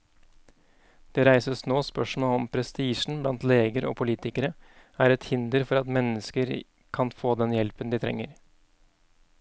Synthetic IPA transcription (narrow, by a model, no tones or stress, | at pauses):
d̪̥eːɾæɪsəsnoːspœʂmoːɔmpʰɾɛst̪iːʂn̩blɑnt̪leːɡəɾʔo̰ːpʰʊliːt̪ɪkəɾəæːɾɛt̪hɪnd̪əɾfɔɾɑt̪mɛnːəskəɾ | kʰɑnfoːd̪ɛnjɛlpənd̪ɪːt̪ʰɾɛ̰ŋːəɾ